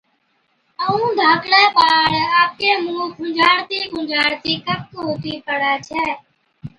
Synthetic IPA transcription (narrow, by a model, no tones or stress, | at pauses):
əũːd̪ʱaːkɽeːpaːɽaːp̚keːmũːɡʱʊd͡ʒaːɽt̪iːɡʱʊd͡ʒaːɽt̪iːkəp̚koːt̪iːpəɽaːt͡ʃʰɛː